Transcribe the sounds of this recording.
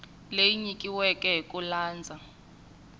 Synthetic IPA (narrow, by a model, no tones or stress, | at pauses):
lejiɲikʼiwɛkʼɛɦkʼulaːnd͡zʱa